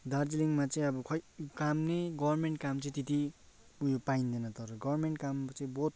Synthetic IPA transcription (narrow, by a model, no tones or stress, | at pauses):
d̪aɾd͡ziliŋmat͡sʌĩʌbʌkʰʌkamneɡʌbʌrmeɳʈ̚kamt͡sʌ̃ĩt̪it̪i | pujopaind̪enʌt̪ʌɾʌɡʌbɾmeɳʈkamt͡sʌĩbot̪̚